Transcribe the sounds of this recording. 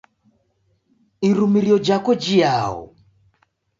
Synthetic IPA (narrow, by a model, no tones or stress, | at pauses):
iɾumiɾiɔd͡ʒakɔd͡ʒijaɔ̰